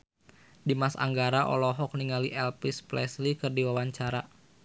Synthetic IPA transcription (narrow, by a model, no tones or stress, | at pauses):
dimasa̰ŋɡaɾaʔɔ̰lɔɦɔk̚niŋaliʔɛlpisplɛslikɨrdiwawaɲt͡ʃaɾa